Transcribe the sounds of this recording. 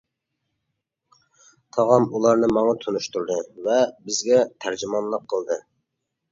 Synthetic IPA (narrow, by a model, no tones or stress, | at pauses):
t̪ʰɑʁɑmulˠɑɾnɨmɑŋɑt̪ʰonuʃt̪uɾd̪ɨvɛbɪzɡʲɛt̪ʰæɾd͡ʒimɑnlˠəqʰːəlˠd̪ɨ